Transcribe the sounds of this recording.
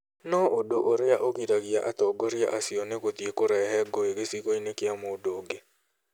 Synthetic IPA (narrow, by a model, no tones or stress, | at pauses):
nɔʔodoʔoɾɪaʔokiɾaɡɪaʔat̪ɔɡɔɾɪa̰ʔasɪɔnekot̪iekoɾɛɦɛɡɔeɡesikoinekɪamɔodoɡe